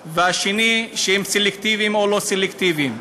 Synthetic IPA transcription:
veaʃeniʃehemselekt̪ivimoloselekt̪ivim

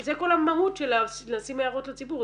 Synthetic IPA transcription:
zeko̞lamaɦutʃelanasimajaʁotlat͡sibuʁ

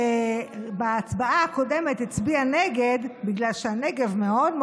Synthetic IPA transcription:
beːt͡sbaaako̞demet̪hit͡sbianeɡed̪biɡlalʃeaneɡe̞vmeo̞d̪m

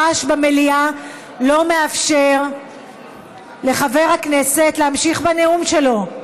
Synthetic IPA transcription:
aʃbamelia | lo̞me̞afʃe̞ʁ | le̞χave̞ʁhakne̞se̞tleamʃiχbaneumʃe̞lo̞

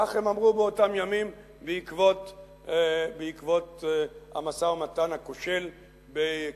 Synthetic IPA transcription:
aχhemamʁubeo̞tamjamim | beikvot | beikvo̞tha̰masaomatanhakoʃe̞l | be

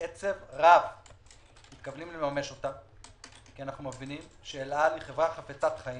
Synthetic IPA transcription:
et͡se̞vʁav | mit̪kavlimlemame̞ʃo̞t̪a | kianaχnumevinimʃeːlaliχe̞vʁaχafet͡sat̪χai

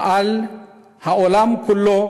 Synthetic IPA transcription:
al | haɔlamkʊlːɔ

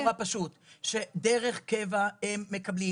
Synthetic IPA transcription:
apaʃut̪ʃe̞d̪eʁeχkevahemːekɐbli

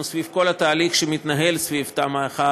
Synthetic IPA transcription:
svivko̞lat̪aːliχʃemit̪naɦe̞lsvivt̪amaχa

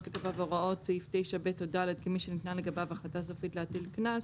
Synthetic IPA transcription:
tleɡabavoʁao̞tseiftejʃabetodaled̪̚kimiʃenit̪naleɡabavaχlatasofitleat̪ilknas

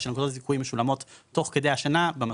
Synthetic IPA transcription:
ʃelnkod̪otzikuimeʃulamo̞t̪ːo̞χke̞d̪e̞jhaʃanabema

